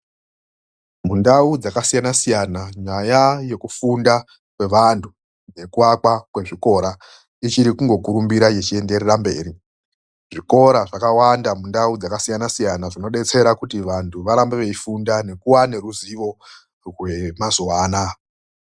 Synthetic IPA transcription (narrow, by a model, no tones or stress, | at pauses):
mundaud͡zakasijanasijanaɲajaje̞kufunda | kwe̞ʋantʰu | ne̞kuakwakwe̞ʐiko̞ɾa | it͡ʃiɾikuŋɡo̞kuɾumbiɾajet͡ʃie̞nde̞rerambe̞̰ːɾi | ʐ̥iko̞ɾaʐakawandamundaud͡zakasijanasijanaʐino̞ɗe̞t͡se̞ɾakutiʋantʰuʋaɾambeʋe̞ifundane̞kuwane̞ɾuziʋo̞ | rwe̞mazuwaːna